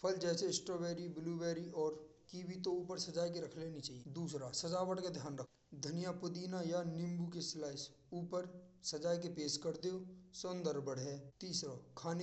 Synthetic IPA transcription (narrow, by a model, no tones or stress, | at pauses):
pʰəld͡ʒɛːsesʈɾoːʋeːɾibɪluːweːɾiɔːɾkiːbit̪ouːpəɾsɐd͡ʒaːjkeɾɐkʰleːnit͡ʃaːɦied̪uːsɾasɐd͡ʒaːʋəʈkad̪ʱjaːnɾəkʰ | d̪ʱɐnijapʊd̪iːnajanɪ̃mbukeslaːɪs | uːpəɾsɐd͡ʒaːjk̬epeːskəɾd̪eosʊnd̪əɾbəɽɦɛːt̪iːsɾakʰaːne